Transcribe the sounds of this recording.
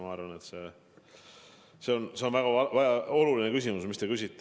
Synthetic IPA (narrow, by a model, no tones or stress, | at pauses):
ɑɑrvɑne̞t̪se̞ | se̞o̞nse̞o̞nvæɡ̥ɑɑvæɑo̞lulinekysimusmist̪ekysʲit̪ːe